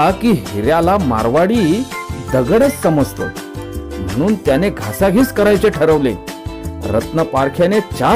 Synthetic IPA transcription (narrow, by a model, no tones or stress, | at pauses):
kiːɦiɾjalama̰ɾʋaɽiːd̪əɡɽət͡ssəməd͡zt̪o̰ | m̤ə̰ɽ̃uːnt̪janeɡʱasaɡʱiːt͡skəɾajt͡seʈʰəɾəʋlḛ | ɾə̰t̪nəpaɾkʰjanet͡ɕa